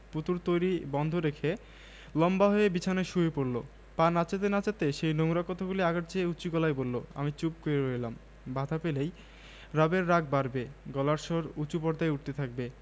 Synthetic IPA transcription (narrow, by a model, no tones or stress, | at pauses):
put̪uɾt̪ojɾibɔnd̪ʱoɾekʰe | lɔmbaɦoebit͡ɕʰanajʃuɦepoɾlo̰ | panat͡ɕat̪̬enat͡ɕat̪eʃejnoŋɾakɔt̪ʰaɡuliaɡaʈ̚t͡ɕʰeut͡ɕuɡɔlajbolːoa̰mit͡ɕup̚koɾeɾoelam | bad̪ʱapelej | ɾabeɾːak̚baɾbeɡɔlaɾʃɔɾut͡ɕupɔɾd̪ajuʈ̚t̪et̪ʰak̚be